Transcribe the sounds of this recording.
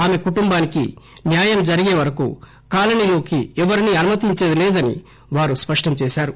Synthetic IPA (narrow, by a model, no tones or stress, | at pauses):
aːme̞kuʈumbaːnikḭnjaːjɐmd͡ʒɐɾiɡeːʋɐɾɐkṵ | kaːlɐnilo̞ːkiɛʋɐɾiniɐnumɐt̪iɲt͡ʃeːd̪ileːd̪ɐnḭ | ʋaːɾuspɐʂʈɐmt͡ʃɛːʃaːɾu